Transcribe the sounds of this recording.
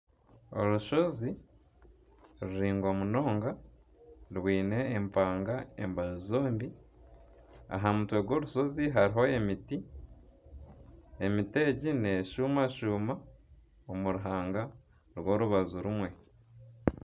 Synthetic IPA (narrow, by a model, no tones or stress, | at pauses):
o̰ɾuʃo̞zi | ɾuɾiːŋɡo̞muno̞ːŋɡa | ɾwiːne̞ːmpaːŋɡae̞̰mbazizoːmbi | a̰ɦamutwe̞ɡwo̞ːɾuʃo̞ziɦaɾiɦo̞emiti | emite̞ːɟine̞ʃuːmaʃuːma | omuɾuɦaːŋɡa | ɾwo̞ːɾuβazuɾumwe̞